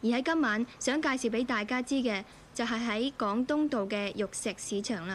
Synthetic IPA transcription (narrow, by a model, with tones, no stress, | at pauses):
jiː˨˩hɐ˨˥jkɐ˥mːaː˨˥nsœː˨˥ŋkaː˧jsiː˨wpe˨˥jt̪aː˨jkaː˥t͡siː˥kɛː˧ | t͡sɐ˨wɦɐ˨jɦɐ˨˥jkɔː˨˥ŋt̪ʊ˥ŋt̪o˨wkɛː˧jʊ˨k̚sɪ˨k̚siː˨˥t͡ʃʰœː˨˩ŋlaː˧˥